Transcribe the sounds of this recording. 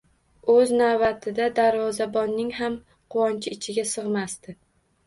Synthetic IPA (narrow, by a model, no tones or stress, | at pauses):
ɵznabat̪ʰɪd̪ad̪aɾvɒzabɒnːɪŋɦam | qʰʊwɒnt͡ʃʰɪɪt͡ʃʰɪɡʲasɨʁmast̪ɪ